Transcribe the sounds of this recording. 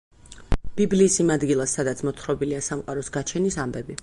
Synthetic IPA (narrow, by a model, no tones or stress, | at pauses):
b̥ibliːsimad̪ɡilˠasːad̪at̪sʰmɔt̪ʰχɾɔbiliasamqʼaɾɔsɡat͡ʃʰɛnisambɛbi